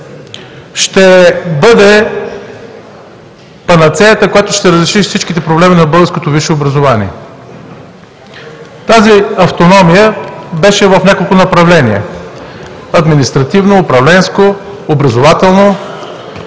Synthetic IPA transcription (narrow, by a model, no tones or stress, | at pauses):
ʃt̪ɛbɤd̪ɛ | pɐnɐt̪sɛjət̪əkojat̪ʊʃt̪ɛɾəzɾiʃifsit͡ʃk̟it̪ɛpɾoblɛminɐbɤlˠɡəɾskot̪oviʃeobɾɐzovanḭɛ | t̪aziɐft̪onɔmijəbɛʃɛvɐfnʲakolˠkʊnɐpɾɐvlɛniɛ̰ | ɐd̪minist̪ɾɐt̪ivnoːpɾɐvlɛnskoː | bɾɐzovat̪ɛlˠno